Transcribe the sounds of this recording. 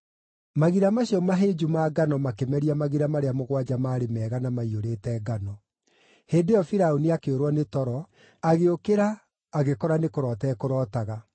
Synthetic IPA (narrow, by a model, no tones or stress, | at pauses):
maɣiɾamaɕiɔmaɦeːd͡ʒumaːɡanɔmakemɛɾiamaɣiɾamaɾeamoɣwad͡ʒamaːɾemɛːɣanamaioɾeːtɛːɡanɔ | heːndejɔfiɾaoniakeoɾwɔnetɔɾɔ | aɣeokeɾaː | ɣekɔɾanekoɾɔːtɛːkoɾɔtaɣa